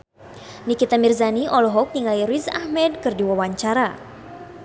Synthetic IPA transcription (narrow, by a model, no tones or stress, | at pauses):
nikit̪amirzaniʔɔlɔɦɔk̚niŋaiɾiza̰hmɛd̚kɨrdiwawaɲt͡ʃaɾa